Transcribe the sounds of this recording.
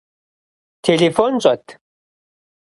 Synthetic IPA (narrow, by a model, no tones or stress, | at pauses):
t̪ʰelefont͡ɕʼɐt̪ʰ